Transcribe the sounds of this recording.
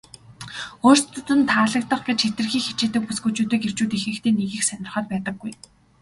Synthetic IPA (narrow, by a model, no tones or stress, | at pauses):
oːr̥st̪ɵt̪ɵ̆nt̪ʰaːɮə̆k̚t̪ə̆χɡet͡ɕxet̪ɘ̆rxiːxet͡ɕeːt̪ɘ̆k̚pusɡut͡ɕuːt̪iːker̥t͡ɕuːt̪ixɘ̆kt̪ʰeːneɣiːxsænʲɪ̆rχɔːt̪̚pæːt̪ə̆ɡːuj